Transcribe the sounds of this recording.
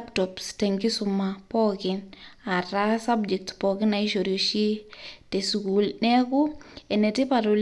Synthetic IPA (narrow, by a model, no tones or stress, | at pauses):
ptɔpstɛŋɡisumapɔkɪnaɾasabd͡ʒɛk̚tpɔkɪnaiʃoɾjoʃitesukulnɛkuɛnɛtipatol